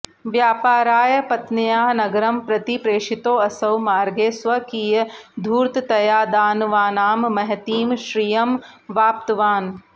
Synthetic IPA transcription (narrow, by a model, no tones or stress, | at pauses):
ʋjaːpaːɾaːjɐpɐt̪nɐjaːnɐɡɐɾɐmpɾɐt̪ipɾeːʃit̪oːɐsɐwmaːɾɡeːsʋɐkiːjɐd̪ʱuːɾt̪t̪ɐjaːd̪aːnʋaːnaːmːɐɦɐt̪iːmʃɾijɐm | ʋaːp̚t̪ɐʋaːn